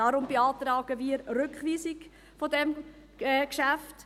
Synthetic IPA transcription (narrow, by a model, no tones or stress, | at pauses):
ɑɾʊmbeɑːtɾɑːɡ̥əviːəɾrʏkχʋiːsɪɡ | fɔdɛm | ɛːkʃæft